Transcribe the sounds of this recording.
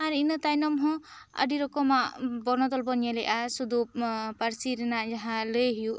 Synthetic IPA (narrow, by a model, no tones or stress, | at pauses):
aɾinɯt̪ajnɔmɦɔ̃ | ə̰ɖiɾɔkɔmabɔɾnɔd̪ɔlbɔnjaleʔasud̪upaɾsiɾenad͡ʒaɦãlɯjɦiju